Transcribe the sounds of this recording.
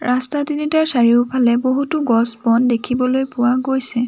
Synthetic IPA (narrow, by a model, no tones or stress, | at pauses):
ɹʔastatinitaɹsaɹiʊpʰalɛboɦutʊɡɔsbɔndekʰibɔlojpʊwaɡojsɛ